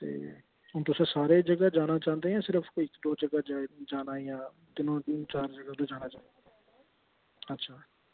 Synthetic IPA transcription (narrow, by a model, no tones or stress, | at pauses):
t̪ḛː | ɦʊnt̪ʊsãːsaːɾeːd͡ʒəɡaːd͡ʒaːnaːt͡ʃãːnd̪eːɦãːsɪɾəfʰkɪkd̪oːd͡ʒəɡaːd͡ʒaːnaːijãː | t̪ɪnõːt͡ʃaːɾd͡ʒəɡad̪oːd͡ʒaːnaːt͡ʃaːnd̪ | ətːʃʰaː